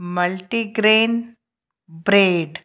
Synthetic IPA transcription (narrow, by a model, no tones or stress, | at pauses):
mɐlʈiɡɾeːn | bɾeːɖ